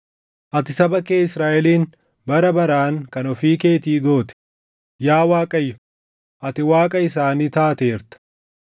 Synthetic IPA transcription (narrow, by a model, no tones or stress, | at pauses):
ʔɐt̪ɪsɐbɐkeːɪsɾaːʔɛliːn | bɐɾɐbɐɾaːŋkɐnɔfiːke̞ːt̪iːɡo̞ːt̪ɪ̥ | jaːwaːkʼɐjːʊ | ʔɐt̪ɪwaːkʼɐɪsaːniːt̪aːt̪e̞ːɾt̪ɐ̥